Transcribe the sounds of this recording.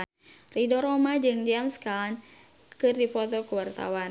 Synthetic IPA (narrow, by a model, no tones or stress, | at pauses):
ridɔɾɔmad͡ʒɨŋd͡ʒamskan | kɨrdipɔt̪ɔkuwart̪a̰wan